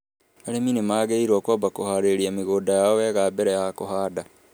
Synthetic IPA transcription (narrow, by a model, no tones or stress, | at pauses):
aɾeminemaːɣeiɾwɔkwɔbakohaɾeɾiameɣoːdajaɔwɛːɣaːbɛɾɛaakohaːda